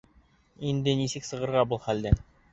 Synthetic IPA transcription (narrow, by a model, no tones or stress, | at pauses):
ind̪ɘnisɘksɤ̆ʁɤ̆ɾʁɑbulˠχæld̪æn